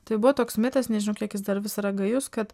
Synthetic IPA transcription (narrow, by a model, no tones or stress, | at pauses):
t̪ɐɪbʊʋɐt̪oːksmʲɪːt̪ɐsnʲɛʒʲɪnɐʊkʲiɛkjɪsd̪ɐɾʋʲɪsɐɾɐɡɐjʊskɐt̪